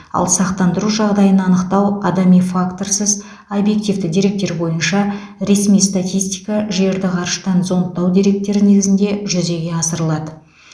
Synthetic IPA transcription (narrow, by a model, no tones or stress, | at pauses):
ɑ̰lˠsɑqt̪ɑnd̪əɾuʒɑʁd̪ɑjənɑnəqt̪ɑwɑd̪ɑmijfakt̪o̞rsəz | obje̞k̚t̪ivd̪ɪd̪iɾe̞k̚t̪e̞ɾbo̞jənʃɑ | ɾe̞smijst̪at̪ʲijst̪i̥kɑʒe̞ɾd̪ɪqʰɑɾʃə̥t̪ɑnzo̞nt̪ːɑwd̪ʲiɾe̞k̚t̪e̞ɾɪne̞ɡʲɪzɪnd̪e̞ʒʏze̞ɡʲe̞ɑsəɾəlˠɑd̪ə